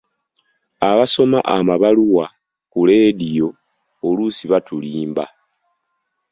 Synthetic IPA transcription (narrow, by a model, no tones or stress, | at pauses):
aβaso̞ma̰ʔamaβaluwa | kuleːdijo̞ | olusiβatuliːmba